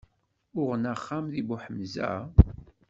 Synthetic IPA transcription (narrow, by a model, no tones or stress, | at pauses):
ʊʁnaχːamðibuħəmzæ̰